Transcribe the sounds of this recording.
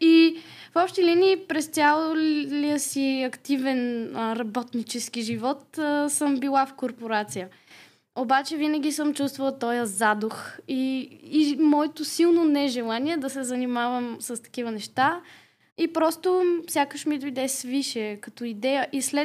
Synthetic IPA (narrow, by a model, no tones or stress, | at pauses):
ifɔpʃt̪iliniːpɾɛst̪ʲalˠlijəsiɐkt̪ivɛnəɾɐbɔt̪nit͡ʃɛskiʒivɔt̪əsəmbilˠafkoɾpoɾat̪sijə | obat͡ʃɛvinəɡ̟ʲisəmt͡ʃust̪vəlˠt̪ɔjəzad̪oxiː | mɔɛt̪osilˠnonɛʒɛlˠaniɛd̪ɐsɛzɐnimavəmsəst̪ɐ̥k̟ivənɛʃt̪a | ipɾɔst̪ofsʲjakəʃmid̪ojd̪ɛsviʃɛkɐt̪ɔid̪ɛjəʔislɛ